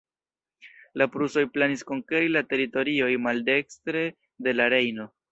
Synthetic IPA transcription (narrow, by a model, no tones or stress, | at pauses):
lapɾuso̞jplanisko̞ŋkeɾilate̞ɾito̞ɾio̞jmalde̞kstɾe̞ | de̞laɾe̞jno̞